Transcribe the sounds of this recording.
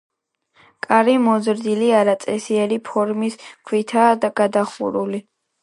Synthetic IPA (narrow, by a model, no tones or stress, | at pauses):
kʼaɾimɔzɾd̪iliaɾat̪sʼɛsiɛɾipʰɔɾmiskʰwit̪ʰaːd̪aɡ̥ad̪aχṵɾuli